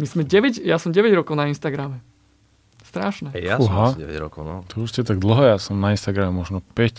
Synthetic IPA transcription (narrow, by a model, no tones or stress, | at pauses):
mizmɛɟɛʋɛɟjasɔmɟɛʋɛɟɾɔkɔʊnainst̪aɡɾamɛ | st̪ɾaːʃnɛɛjauɦaɛ̰ʋɛ̰ɟɾɔ̰kɔʊnɔt̪ɔuscɛt̪aɡ̚d̪l̩ɦɔjaːsɔmnainst̪aɡɾamɛmɔʒnɔpɛc